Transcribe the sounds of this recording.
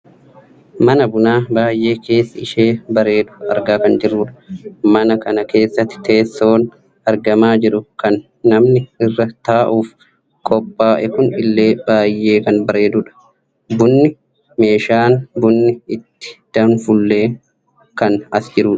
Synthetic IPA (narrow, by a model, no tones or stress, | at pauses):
mɐnɐbʊnaːbaːjʔe̞ːke̞ːsːɐɪʃeːbɐɾe̞ːd̪ʊɐɾɡaːkɐnd͡ʒɪrːuːᶑɐ̥mɐnɐkɐnɐke̞ːsːɐt̪ːɪ̥t̪e̞ːsːo̞ːn | ɐɾɡɐmaːd͡ʒɪɾʊkɐnː | ɐmnɪɪrːɐt̪aːʔuːf | kʼɔpʼːaːʔɛkʊnɪlːe̞ːb̥aːjːeːkɐnbɐɾe̞ːd̪ʊːᶑɐ̥ | bʊnːɪ | me̞ːʃaːnbʊnːɪɪt̪ːɪ̥d̪̥ɐnfʊlːe̞ː | kɐnɐsd͡ʒɪɾuːᶑɐ̥